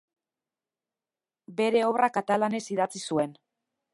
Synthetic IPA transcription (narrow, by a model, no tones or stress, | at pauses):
be̞ɾe̞o̞βrakat̪alane̞siðat͡sisue̞n